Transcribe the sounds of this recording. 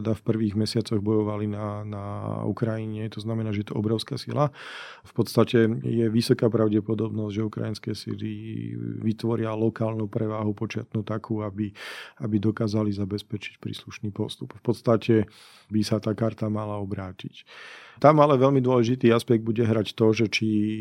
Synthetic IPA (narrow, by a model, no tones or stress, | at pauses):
d̪afpr̩ʋiːɣmɛsɪat͡sɔɣbɔjɔʋalinanaṵkɾajiɲɛt̪ɔznamɛnaːʒɛjɛt̪ɔʔɔbɾɔʊskasḭla | fpɔt̪st̪acɛjɛʋisɔkaːpɾaʊɟɛpɔd̪ɔbnɔzɟʒɛukɾa̰jinskɛːsḭlḭʋit̪ʋɔɾɪalɔkaːlnupɾɛʋaːɦupɔt͡ʃɪat̪nuːt̪akʰuːabiabid̪ɔkaːzalizabɛspɛt͡ʃi̥cpɾḭːsluʃniːpɔst̪upfpɔt̪st̪acʰɛ | bisat̪aːkaɾt̪amalaɔbɾaːcict̪amalɛʋɛlmid̪ʊɔlɛʒit̪iːaspɛɡ̚d̪̚buɟɛɦɾact̪ɔʒɛt͡ʃi